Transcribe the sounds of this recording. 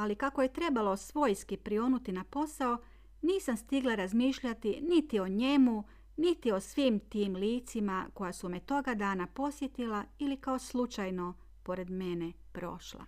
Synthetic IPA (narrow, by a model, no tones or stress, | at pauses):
alikako̞jet̪ɾe̞balo̞sʋo̞jskipɾio̞nut̪inapo̞sao | niːsamst̪iɡlˠaɾazmiːʃʎat̪init̪io̞ɲe̞mu | nit̪io̞sʋiːmt̪iːmliːt̪simako̞jasumet̪o̞ɡad̪aːnapo̞sje̞t̪ilailikao̞slˠut͡ʃajno̞ | po̞ɾe̞d̪mene | pɾo̞̰ʃlˠa̰